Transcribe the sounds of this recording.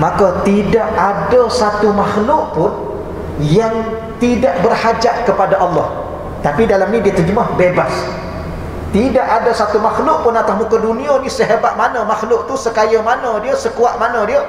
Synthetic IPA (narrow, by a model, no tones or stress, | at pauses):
makat̪idaʔadəsat̪umaxlʊʔpʊn | jaŋ | t̪idaʔbərhad͡ʒaʔkəpadaʔɑlːɑ̰h | t̪apidalamnĩdiət̪əd͡ʒəmahbebas | t̪idaʔadasat̪umaxlʊʔpʊnat̪ahmukadunĩənisəɦebat̪̚manə̃maxlʊʔ̚t̪usəkajəmanə̃diəsəkuaʔmanə̃diə